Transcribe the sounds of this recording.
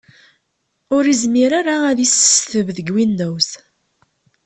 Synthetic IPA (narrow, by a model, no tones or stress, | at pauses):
ʊɾizmiɾaɾaæðisθəvðəɡwinːæwθ